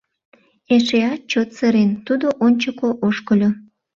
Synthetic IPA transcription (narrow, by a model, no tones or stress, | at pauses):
eʃeɑt͡ɕot̪səɾent̪ud̪oʔonʲt͡ɕəkoʔoʃkəlʲo